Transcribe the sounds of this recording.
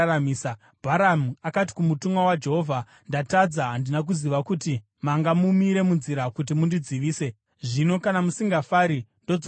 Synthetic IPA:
amiːsa | bʱaɾamuakat̬i̥kumutumwawad͡ʒe̞ɦo̞vʱa | ndatad͡zaɦandinak̬uziʋakuti | maŋɡamumiɾe̞munziɾakut̬imundid͡ziʋiːse̞ | ʐino̞kanamusiŋɡafaɾindod͡z

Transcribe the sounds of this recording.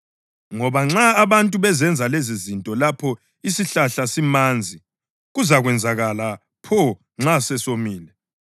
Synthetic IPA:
ŋɔβaŋ͡ǁaːβantʼuβɛzɛnd͡zʱalezizintʼɔlapʰɔ | isiɬaɬasimand͡zʱi | ɣuzaɣwɛnd͡zʱaɣala | pʰɔ | ŋ͡ǁasɛsomiːlɛ

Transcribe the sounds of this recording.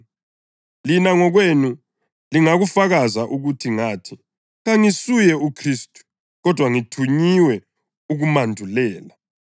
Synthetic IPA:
linaŋɔɣwenu | liŋaɣufaɣazaʔuɣutʰiŋaːtʰi̥ | ɣaŋisujɛukʰriːstʼu̥ | ɣɔd̥ʱwaŋitʰuɲiwɛ | uɣumandʱulɛːla

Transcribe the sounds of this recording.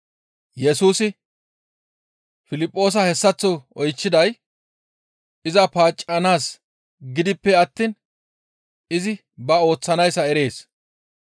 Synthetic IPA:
jɛsuːsɪ | fɪlɪpʼːo̞ːs̬ɐhɛsːɐt͡sːɔɔjt͡ʃːɪd̪ɐj | ɪzɐpaːt͡ʃʼːɐnaːs | ɡɪd̪ɪpːɛɐt̪ːiːn | ɪzɪ | bɐo̞ːt͡sːɐnɐjsɐɛɾe̞ːs

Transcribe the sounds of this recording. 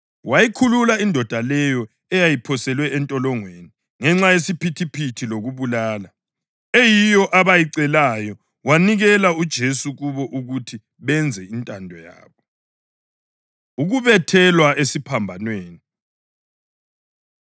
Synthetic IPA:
wajikʰululaindʱɔd̥ʱalɛjɔ | ɛjajipʰɔsɛlwɛɛntʼɔlɔŋweni | ŋɛŋ͡ǁajesipʰitʰipʰitʰiloɣuβulaːla | ejijɔʔaβajiǀɛlajɔ | waniɣɛlaud̥ʒ̥ʱesuɣuβɔʔuɣutʰi | βɛnd͡zʱɛintʼandʱɔja̰ːβɔ | uɣuβɛtʰɛlwaesipʰambʱanweːni

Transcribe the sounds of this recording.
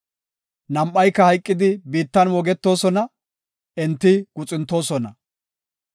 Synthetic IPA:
nɐmʔːɐjkːɐhɐjkʼːɪd̪ɪbiːt̪ːɐnwɔɡɛt̪ːo̞ːsɔnɐ | ɛnt̪ːɪɡ̥ʊt͡sʼɪnt̪ːo̞ːsɔnɐ

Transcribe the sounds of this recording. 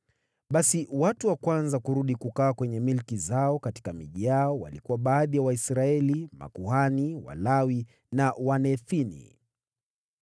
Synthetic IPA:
ɓasiwatuwakwanzakuɾuɗikukaːkwɛɲɛmilkizaɔkati̥kamiʄiaɔwa̰likuwaɓaːðijawaisɾaɛlima̰kuhaniwa̰lawi | nawanɛθinḭ

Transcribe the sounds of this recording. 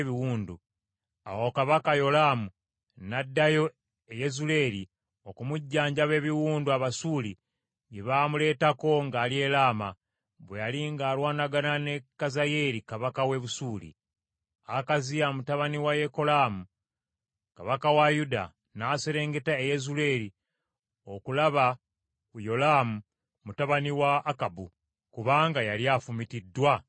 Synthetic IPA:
βiwuːndu | a̰wo̞kaβakajo̞laːmu | nadːajo̞ | ejezule̞ːɾi | o̞kumuɟːaːɲɟaβe̞ːβiwuːnduaβasuːli | jeβamule̞ːtako̞ŋɡaːlie̞ːlaːma̰ | βwejaliŋɡaːlwaːnaɡanane̞kazaje̞ɾikaβakawe̞βusuːlḭ | akazijamutaβaniwaje̞ko̞laːmu | kaβakawajuda̰ | naːseɾe̞ːŋɡe̞taejezule̞ːɾi | o̞kulaβa | kujo̞laːmu | mutaβaniwaːkabṵ | kuβaːŋɡajaliafumitidːwa

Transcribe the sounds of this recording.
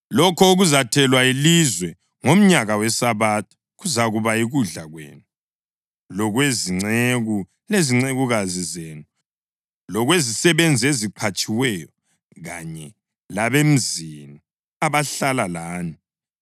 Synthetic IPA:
lɔkʰɔuɣuzatʰɛlwailizwɛ | ŋom̩ɲaɣawɛsaβatʰɔ̥ | ɣuzaɣuβaiɣuɮaɣwḛːnu | lɔɣweziŋ͡ǀeɣu | leziŋ͡ǀeɣuɣazizeːnu | lɔɣwezisɛβend͡zʱieziǃʰat͡ʃʼiwɛjɔ | ɣa̰ɲɛ | laβem̩zini | aβaɬalalaːni

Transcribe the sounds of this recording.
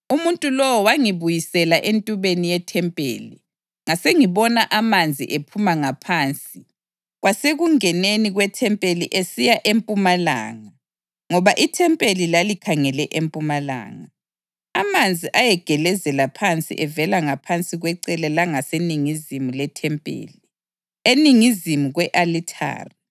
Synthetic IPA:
umuntʼulɔwɔwaŋiβujisɛlaʔentʼuβenijɛtʰɛmpʼḛːli | ŋaseŋiβɔnaʔamand͡zʱḭʔepʰumaŋapʰaːnt͡sʼi | ɣwaseɣuŋɛneniɣwɛtʰɛmpʼeliʔesijaʔempʼumala̰ːŋa | ŋɔβaʔitʰɛmpʼelilalikʰaŋɛlɛʔempʼumala̰ːŋa | amand͡zʱiʔajɛɡ̥ʱɛlɛzɛlapʰant͡sʼḭʔɛvɛlaŋapʰant͡sʼiɣwɛǀɛlɛlaŋaseniŋizimulɛtʰɛmpʼḛːli | eniŋizimuɣwɛʔalitʰa̰ːri

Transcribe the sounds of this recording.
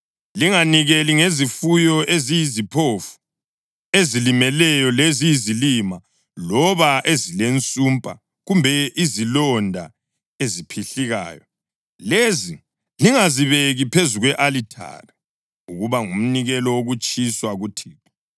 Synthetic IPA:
liŋaniɣeliŋezifujɔezijizipʰofu̥ | ezilimɛlɛjɔlezijizilima | lɔβaʔezilent͡sʼumpʼa̰ | ɣumbʱɛʔizilɔndʱa̰ | ezipʰiɬiɣa̰ːjɔ̰ | lezi | liŋaziβeɣipʰezuɣwɛʔalitʰa̰ri | uɣuβaŋum̩niɣɛlɔwoɣut͡ʃʼiswaɣutʰiːtḁ

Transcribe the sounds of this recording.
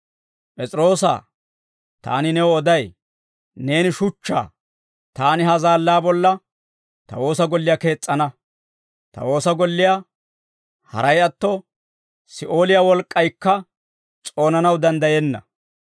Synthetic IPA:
pʼɛt͡sʼɪɾo̞ːsa̰ː | t̪a̰ːnɪnɛwɔɔd̪ɐj | ne̞ːnɪʃʊt͡ʃːa̰ː | t̪aːnɪɦɐzaːlːaːbɔlːɐ | t̪ɐ̰wo̞ːsɐɡɔlːɪjake̞ːt͡sʼːɐnɐ | t̪ɐ̰wo̞ːsɐɡɔlːɪja | hɐ̰ɾɐjɐt̪ːɔ | sɪʔo̞ːlɪjawɔlkʼːɐjkːɐ | t͡sʼo̞ːnɐnɐwd̪ɐnd̪ɐjɛnːɐ̰

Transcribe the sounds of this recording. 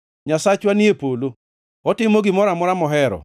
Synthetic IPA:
ɲasat͡ʃwaniepolo | ɔtɪmoɡɪmɔɾamɔɾamɔɦɛɾɔ̰

